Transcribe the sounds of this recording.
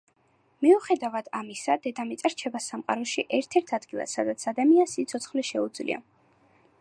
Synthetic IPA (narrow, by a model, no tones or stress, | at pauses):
miuχɛd̪avad̪̥amisad̪ɛd̪amit̪sʼaɾt͡ʃʰɛbasːamqʼa̰ɾɔʃiʔɛɾt̪ʰɛɾt̪ʰad̪ɡilˠa̰sːad̪at̪sʰad̪amiansit̪sʰɔt̪sʰχliʃɛud̪zlḭa̰